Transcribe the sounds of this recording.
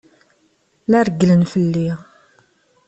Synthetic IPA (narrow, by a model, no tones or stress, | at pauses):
læɾəɡlənfəlːi